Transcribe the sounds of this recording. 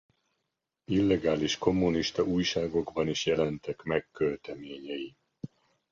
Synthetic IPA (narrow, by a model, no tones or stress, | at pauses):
ilːɛɡaːliʃko̞mːuniʃt̪ɒʔuːjʃaːɡo̞ɡbɒniʃjɛlɛnt̪ɛkmɛkːølt̪ɛmeːɲɛji